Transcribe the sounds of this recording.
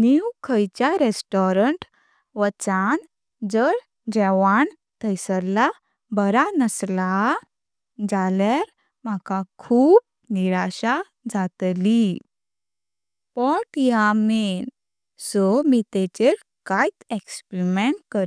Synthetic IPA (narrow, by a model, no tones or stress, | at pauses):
niwkʰəjt͡ɕjaɾesʈɔɾəɳʈ | ʋət͡san | d͡zəɾ | d͡ʑɛʋaɳ | t̪ʰəjsəla | bəɾanəsla | d͡zalaɾ | m̤akakʰuːp̚ | niɾaɕa | d͡zat̪li | pɔʈjamen | sɔmit̪et͡ɕeɾ | kajt̪ekspɾmeɳʈkəɾ